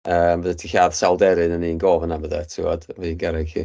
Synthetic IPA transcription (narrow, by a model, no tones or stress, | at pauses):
əmvəðətʰihjaːðsalˠdɛɾɨnəninɡoːvənaməðɛtʰɪvɔd̥vinɡaɾɛɡhḭ